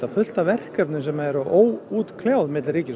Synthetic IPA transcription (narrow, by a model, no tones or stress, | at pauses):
afʏl̥t̪avɛr̥kœpnʏs̬ɛmaɛɾaʔoːwuːt̪kʰljawðmɪt̪lriːcɪs